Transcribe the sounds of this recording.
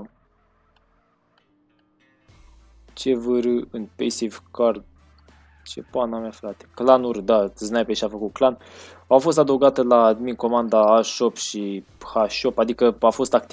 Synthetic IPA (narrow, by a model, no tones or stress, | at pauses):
t͡ʃe̞vəɾɨɨnpḛjsivkard̪ | t͡ʃe̞panameafɾat̪e̥klanurd̪aɨznajpeʃiafəkuklan | afo̞s̬t̪ad̪əwɡat̪əlaːd̪minko̞mand̪aːʃo̞pʃihaʃo̞pad̪ikəafo̞st̪akt̪i